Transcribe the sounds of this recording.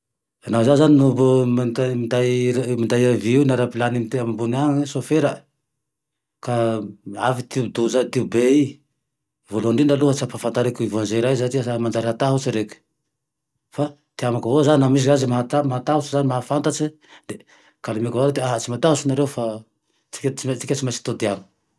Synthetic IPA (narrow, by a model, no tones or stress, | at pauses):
anazazaninubumand̪amind̪ajmind̪ajaviiwnaɾapilanimit̪eamabunaŋisofeɾ | kaafit̪iud̪uzat̪iubei | voluɳɖ͡ʐinaluɦət͡siapafant̪aɾekuivãnzeɾajzaʈ͡ʂiasamand͡ʒaɾiɦat̪aɦut͡siɾekʲu̥ | fa | t̪iamakəvozaninamis̬zazimaɦat̪amaɦat̪aɦut͡sizanimaɦafant̪at͡si | d̪e | kalamekvaɾed̪eaɦat͡simat̪aɦusunaɾewfa | t͡si̥kʲat͡siat͡sikʲat͡simasi̥t̪od̪iaŋə̥